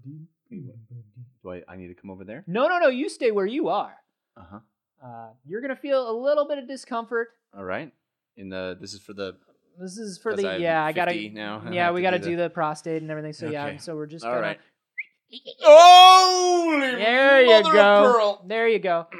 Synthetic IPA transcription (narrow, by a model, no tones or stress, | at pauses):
dɨ̥ | ddd̥əa̰ɪa̰ɪnḭd̚tʰɨkʰʌ̃moʊvə˞ðə˞noʊ̃noʊnoʊjɨsteɪwə˞jɨə˞ | ʌhʌ | ʌjə˞ɡʌnɨfilˠəlɪɾl̩ˠbɪɾʌvdɨskʰʌ̃ɱfə˞t̚ | ɔ̰lˠɹa̰ɪt̚ | ɨ̃nðɨ̰ðɪsɨz̥fə˞ðɨ | ðɪs̬ɨz̥fə˞ðɨjæaɪɡɡɑɾɨna̰ʊjæwiɡɑɾɨdɨðɨpʰɹ̥ɑsteɪɾn̩ɛvɹiθɪ̃ŋsoʊjæsoʊwɪɹd͡ʒʌsɹt | o | ðə˞jɨɡoʊðə˞jɨɡoʊ